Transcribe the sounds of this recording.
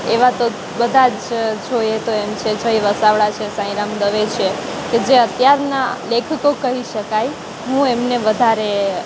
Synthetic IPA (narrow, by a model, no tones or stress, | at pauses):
eʋat̪o | bəd̪ʱad͡ʒd͡ʒʱojet̪oemt͡ʃʰed͡ʒʱəiʋəsaʋɭat͡ʃʰesãĩɾamd̪əʋet͡ʃʰeked͡ʒeət̪jaɾnalekʰəkokəɦiʃəkaj | ɦũemneʋəd̪ʱaɾe